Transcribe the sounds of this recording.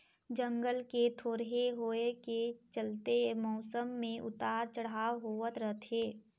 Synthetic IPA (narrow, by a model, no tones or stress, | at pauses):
d͡ʒə̃ŋɡəlket̪ʰoːɾɦeɦoːeket͡ʃəlt̪emɔːsəmːẽʔʊ̰t̪aːɾt͡ʃəɽ̤aːɦoət̪ɾəɦt̪ʰɦeː